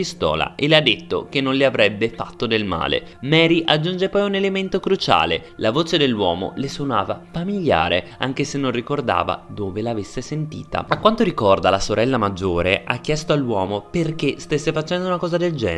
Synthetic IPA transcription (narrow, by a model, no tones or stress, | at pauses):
ist̪ɔ̰ːla̰ʔelːead̪ːet̪ːo̰k̟enːonleavɾɛbːefat̪ːod̪elma̰ːlḛmɛːɾiʔad͡ʒːund͡ʒepɔjunelement̪okɾut͡ʃa̰ːlḛlavoːt͡ʃed̪elːwɔ̰ːmo̰lesonaːvafamilja̰ːɾea̰ŋk̟esenːonrikord̪a̰ːva̰d̪oːvelaːvesːesent̪ḭːt̪a̰akːwant̪oɾikɔrd̪alasoɾɛlːamad͡ʒːoːɾeʔa̰k̟ːjɛst̪oalːwɔːmoperk̟est̪esːefat͡ʃɛnd̪ounakɔːzad̪eld͡ʒɛ̰ː